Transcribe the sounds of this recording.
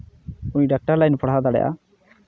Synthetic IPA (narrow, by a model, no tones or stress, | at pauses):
uɲɖak̚ʈaɾlajnpʰɔɽɦad̪aɽɛ̰jʔa̰